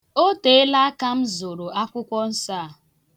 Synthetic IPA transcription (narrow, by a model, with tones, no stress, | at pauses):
o˦te˨˦e˦la˦a˦ka˦m̩˦zo˨ɾo˨a˦kʷʊ˦kʷɔ˦n̩˦saː˦˨